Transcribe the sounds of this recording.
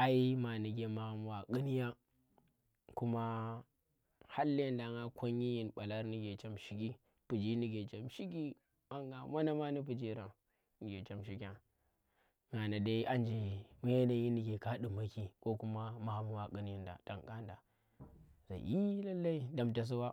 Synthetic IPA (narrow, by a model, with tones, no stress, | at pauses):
a˦i˦ma˨ni˨ɡʲe˦ma˨ha˦m˦wa˨kɨ˦ni˦ja˦ | ku˦ma˦ | ha˦lːi˦a˦nda˨ŋɡa˦kʷo˦ɲ˦i˦ji˨nɓa˨la˦ɾni˦ɡʲe˨t͡ʃa˦mʃi˦kʲi˦ | pu˨d͡ʒi˦ni˦ɡʲe˨t͡ʃa˦mʃi˦k̬i˦ | a˦ŋɡa˨ma˦na˦ma˦ni˦p̬u˨d͡ʒi˦ɾa˨ | ni˨˦ɡʲe˨t͡ʃa˦mʃi˦kʲa˨ | ŋa˨na˨da˦ʔa˦nd͡ʒi˨m˦je˦na˨ji˦ni˦ɡʲe˨ka˦ɗi˨ma˦ki˦ko˦ku˦ma˦ma˨ha˦mu˦wa˨kɨ˦n˦ji˦nda̰˨da˨ŋka˦nda̰˨ | za̰˨i˦la˦lːa˦i˦da˨mta˨s̬u˦wa˦